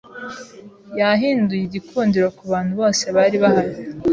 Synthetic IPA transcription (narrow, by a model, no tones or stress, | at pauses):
jaɦiːndujiɟikʰuːndiɾokuβaːn̥huβo̞ːse̞βaɾiβahaɾi